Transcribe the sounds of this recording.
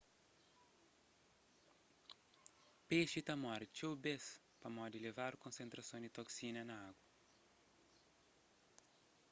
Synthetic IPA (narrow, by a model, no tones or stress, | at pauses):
peʃit̪ɐmɔɾt͡ʃowbes | pɐmɔd̪ilevaɾkõnsẽnt̪ɾɐsõnd̪it̪oksinɐnɐaɡwɐ